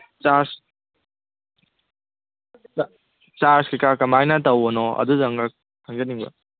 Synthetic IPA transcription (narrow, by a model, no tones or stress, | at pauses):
t͡ʃaɾs | t͡ʃaɾskikakɐmajnɐtɐwɔnɔɐ̰duzaŋɡak̚ | hʰaŋd͡ʒɐniŋbɐ̰